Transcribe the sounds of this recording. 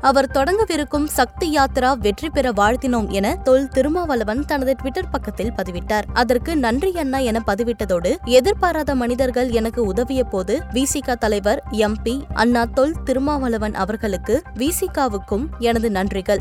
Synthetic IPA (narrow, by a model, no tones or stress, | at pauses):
ɐʋɐɾt̪ɔɽɐŋɡɐʋɪɾɯkːɯmsɐk̚t̪ɪjaːt̪ɾaːʋɛʈripɛɾɐʋaːɻt̪ɪnoːmɛnɐt̪ɔlt̪ɪɾɯmaːʋɐlɐʋɐnt̪ɐnɐðɯʈʋɪʈːɐɾpɐkːɐt̪ːɪlpɐðɪʋɪʈːaːɾɐðɐrkɯnɐndrɪjɐnːaːɛnɐpɐðɪʋɪʈːɐðoːɽɯɛðɪɾpaːɾaːðɐmɐnɪðɐɾɣɐɭɛnɐkːɯʊðɐʋɪjɐpoːðɯʋiːsɪkːaːt̪ɐlɐɪʋɐɾɛmpiʔɐ̰nːaːt̪ɔɭt̪ɪɾɯmaːʋɐlɐʋɐnʔɐ̰ʋɐɾɣɐɭɯkːɯʋiːsikːaːʋɯkːɯmɛnɐðɯnɐndrɪɣɐɭ